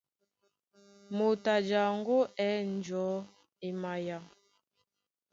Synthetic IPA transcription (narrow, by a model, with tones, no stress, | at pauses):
mo˨ta˨d͡ʒa˨ŋ˦ɡo˦ʔɛː˨˦n˦d͡ʒɔ˨˦ | e˨ma˨ja˨